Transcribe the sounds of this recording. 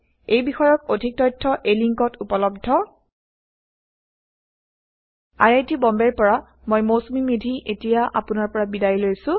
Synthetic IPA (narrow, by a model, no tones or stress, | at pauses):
ejbixɔjɔk̚odʱik̚tɔjtʰːɔʔejliŋkɔtʰupɔlɔb̚dʱɔ | a̰jajtibɔmbɛɹpɔɹa | mojmosmimidʱiʔetijaʔa̰pʊnaɹpɔɹabidajilojsʊ̃